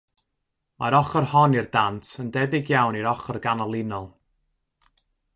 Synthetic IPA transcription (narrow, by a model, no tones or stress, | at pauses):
maɾɔχɔrhɔnirdantʰəndɛbɪɡjawniɾɔχɔrɡanɔlˠɪnɔlˠ